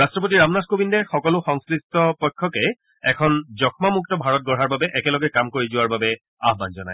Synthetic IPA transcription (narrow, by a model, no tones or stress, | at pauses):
ɹastɹɔp̬otiɹamnaskobindɛɹxɔkɔlʊxɔŋskɹitɔpɔjkʰːɔkɛ | ɛkʰɔnzɔkʰmamuk̚tɔbʱaɹɔt̚ɡɔɹɦaɹbabɛʔɛkɛlɔɡɛkamkoɹizʊwaɹbabɛ | aɦbanzɔnaj